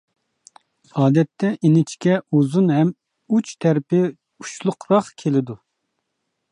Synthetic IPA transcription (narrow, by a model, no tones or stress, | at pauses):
ɑːd̪ɛt̪ʰːɛʔinɪt͡ʃʰkʲɛuzunɦɛm | ut͡ʃt̪ʰɛɾpɪ | u̥t͡ʃlˠʊqʰɾɑχkʲʰelɪd̪u